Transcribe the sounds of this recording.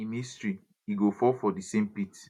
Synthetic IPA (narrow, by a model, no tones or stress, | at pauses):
imistɹi | iɡofɔfɔdisẽmpit